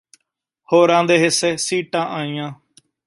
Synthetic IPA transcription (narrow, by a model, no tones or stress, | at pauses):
hoːɾãːnd̪eːɦɪseːsiːʈãːʔãːĩjãː